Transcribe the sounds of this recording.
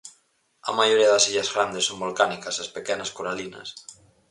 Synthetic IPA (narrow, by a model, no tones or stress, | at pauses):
a̰maʝoɾiaðasiʎazɣɾand̪esːombolkanikaslaspekɛnaskoɾalina̰s